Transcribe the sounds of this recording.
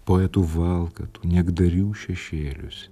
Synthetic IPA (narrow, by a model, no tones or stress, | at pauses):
poːɛt̪uʋɑlˠkɐt̪u̥ːnʲɛɡd̪ɐɾʲuːʃʲɛʃʲeːlʲʊsʲ